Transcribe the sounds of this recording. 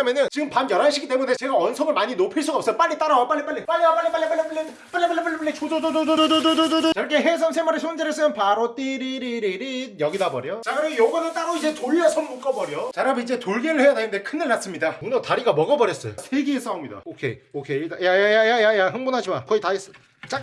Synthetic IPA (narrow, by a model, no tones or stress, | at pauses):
ʌmjenɯnt͡ɕiɡɯmpamjʌɾaɭɕʰikʰit͈emune̞t͡ɕe̞ɡawʌnsʰʌmɯɭmaɲinopʰiɭs͈uɡaʌp̚s͈ʌjop͈aɭːit͈aɾawap͈aɭːip͈aɭlːipaɭːiwap͈aɭːip͈aɭːip͈aɭːipaɭːi | p͈aɭːip͈aɭːipaɭːip̬͈aɭːit͡ɕodod͡ʑodooodododododot͡ɕʌɭk͈ʰeɦes̬ʰʌns̬ʰemaɾesʰond͡ʑeɾes͈ɯmjʌnpaɾot͈iɾiɾiɾiɾinjʌɡidabʌɾjot͡ɕaɡɯɾʌmejoɡʌnɯt͈aɾoid͡ʑe̞toɭʌsʰʌmːuk͈ʌbʌɾjot͡ɕaɾabid͡ʑe̞toɭɡeɾɯɭhejadenɯndekʰɯnɯɭːnas͈ɯmɲidaunʌtaɾiɡamʌɡʌbʌɾjʌs͈ʌjo̰sʰeɡiːs͈aumɲida̰okʰḛiokʰetajajajajajajaɦɯŋbonɦad͡ʑima̰kʌitaes͈ | t͡ɕ͈ak